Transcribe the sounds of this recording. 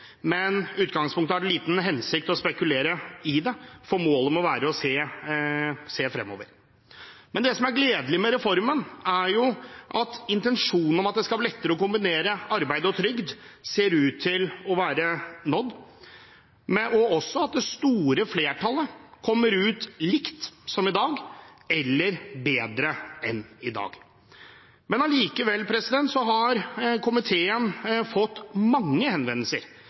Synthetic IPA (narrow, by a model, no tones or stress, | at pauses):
mɛnʉːt̪ɡɑŋspʰʊŋkt̪əæɖɛliːt̪n̩ɦɛnsɪk̚t̪ɔspɛkʉleːɾəɪd̪ɛfɔɾmoːləmɛɔʋæːɾəɔseː | seːfɾɛ̰mːo̰ːʋəɾ | mɛnd̪ɛsɔmæɾɡleːd̪lɪmɛɾɛfɔɾmənæɾjʊʔɑt̪ɪnt̪ɛnʂuːnən̩ɔmɑt̪̚d̪ɛskɑblɛt̪ːəɾəɔkʊmbɪneːɾəɑɾbæɪd̪əɔt̪ʰɾʏɡd̪seːɾʉːt̪ʰːɪlɔʋæːɾənɔd̪ | mɛʔɔɔsːɔɑt̪̚d̪ɛst̪uːɾəfleːʈʰɑlːəkʰɔmːəɾʉːt̪lɪkt̪sɔmɪd̪ɑːɡɛlːəɾbeːd̪ɾəɛnɪd̪ɑ̰ːɡ | mɛnɑliːkəʋɛlːpʰɾɛsɪd̪ɛnt̪sɔɦɑɾkʰʊmɪt̪ʰeːənfɔt̪ːmɑŋːəhɛnʋɛnːəlsəɾ